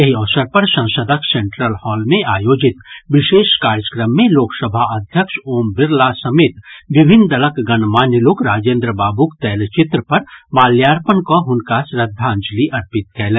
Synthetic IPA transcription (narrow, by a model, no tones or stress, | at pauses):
jɐɦiɔːsəɾpɐɾsɐ̃səd̪ʱəksẽɳʈɾəlhɔːlmẽʔaːjoːd͡ʒɪt̪ʋɪʃeːʃkaːɾjəkɾəmːẽloːksəbʱaɐd̪ʱjəkʃoːmbɪɾlasɐmeːt̪ʋɪbʱɪnd̪ɐləkɡɐnmaːnjəloːkɾaːd͡ʒẽːnd̪ɾəbaːbukt̪ɛːlt͡ʃɪt̪ɾəpɐɾmaːljaːɾpənkoɦʊnkasɾəd̪ʱːãnd͡ʒliʔɐɾpɪt̪̚kʰɛːlɛ̃ː